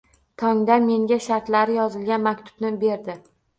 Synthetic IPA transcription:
t̪ʰɒŋd̪anme̞ŋɡʲaʃaɾt̪laɾɪjɒzɪlɡʲanmakʲt̪ʰʊ̥b̥nɪbe̞ɾd̪ɪ

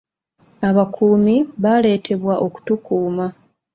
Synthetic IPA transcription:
aβakʰuːmiβale̞ːtʰe̞βwaʔo̞ku̥tukuːma

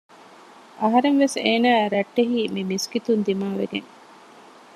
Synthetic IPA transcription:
ɐɦɐɾeŋʋeseːnæːɾɐʈːeɦiːmimiskit̪und̪imaːʋḛɡḛŋ

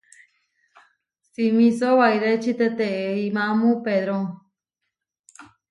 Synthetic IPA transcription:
simĩsoβajɾet͡ʃit̪et̪eeimãmũpeðɾoŋ

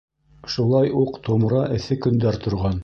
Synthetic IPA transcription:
ʃulˠɑjuqt̪omɾɑʔɘ̆θɘkɵ̆nd̪æɾt̪ŏɾʁɑn

